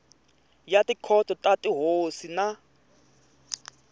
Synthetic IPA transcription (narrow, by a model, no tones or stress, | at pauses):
jatikʰɔtɔtatʼiɦosina